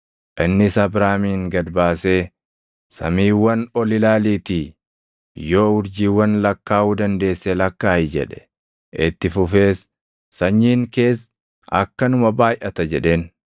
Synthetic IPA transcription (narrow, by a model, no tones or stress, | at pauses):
ʔɪnːɪsɐbɾaːmiːŋɡɐd̪baːse̞ː | sɐ̰miːwːɐnɔlɪlaːliːt̪iː | jo̞ːʊɾd͡ʒiːwːɐnlɐkːaːuːd̪ɐnd̪e̞ːsːelɐkːaːɪd͡ʒɛ̰ᶑɛ̥ | ʔɪt̪ːɪfʊfe̞ːsː | ɐɲːiːŋke̞ːs | ɐ̰kːɐnʊmɐbaːjʔɐt̪ɐd͡ʒɛᶑe̞ːn